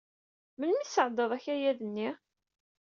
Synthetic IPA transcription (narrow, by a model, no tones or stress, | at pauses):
mənmisəʕd̪ˤəðˤæçæjæðənːi